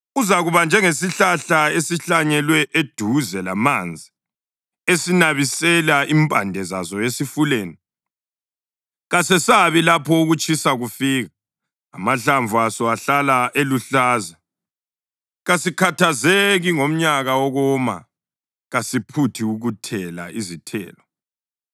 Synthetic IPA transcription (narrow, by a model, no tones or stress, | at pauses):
uzaɣuβand͡ʒʱɛŋesiɬaɬaesiɬaɲɛlwɛʔed̥ʱuzɛlamand͡zʱi | esinaβisɛlaʔimpʼandʱɛza̰zɔjesifuleːni | ɣasɛsaβilapʰɔuɣut͡ʃʼisaɣufiːɣaː | maɬaɱvʱuasɔaɬalaʔeluɬaːza | ɣasikʰatʰazeɣiŋom̩ɲaɣaɔɣɔma̰ | ɣasipʰutʰiuɣutʰɛla̰izitʰɛ̰ːlɔ